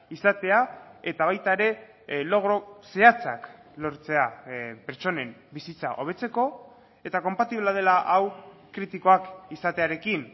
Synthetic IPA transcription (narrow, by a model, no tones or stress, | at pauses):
isat̪e̞ae̞t̪aβ̞ajt̪aeɾe̞ | lo̞ɣ̞ɾo̞se̞at͡sa̰klo̞ɾt͡se̞apeɾt͡so̞ne̞mbisit͡sa̰ʔo̞βe̞t͡se̞ko̞ | e̞t̪ako̞mpat̪iβ̞leað̞e̞laʔawkɾit̪iko̞akisat̪e̞aɾe̞kin